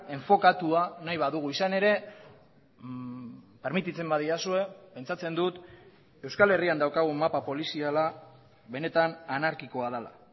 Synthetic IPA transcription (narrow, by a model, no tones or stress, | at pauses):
e̞ɱfo̞kat̪uanajβaðuɣ̞uisane̞ɾe̞ | pe̞ɾmit̪it͡se̞mbaðiasue̞pe̞nt͡sat͡se̞nd̪ut̪ | e̞wskale̞riand̪awkaɣ̞umapapo̞lisiala | βe̞ne̞t̪ananaɾkiko̞að̞ala̰